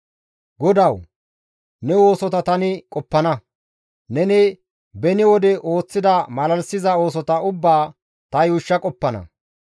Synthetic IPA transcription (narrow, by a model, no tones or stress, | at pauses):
ɡɔd̪ɐw | nɛwo̞ːsɔt̪ɐt̪ɐnɪkʼɔpːɐnɐ | nɛnɪ | bɛnɪwɔd̪ɛʔo̞ːt͡sːɪd̪ɐmɐlɐlsɪzɐo̞ːs̬ɔt̪ɐʊbːaː | t̪ɐjuːʃːɐkʼɔpːɐnɐ̰